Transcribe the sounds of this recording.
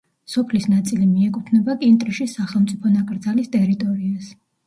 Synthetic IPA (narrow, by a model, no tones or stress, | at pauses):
sɔpʰlisnat̪sʼilimiɛkʼut̪ʰnɛbakʼint̪ʼɾiʃisaχɛlˠmt̪sʼipʰɔnakʼɾd̪zalist̪ʼɛɾit̪ʼɔɾias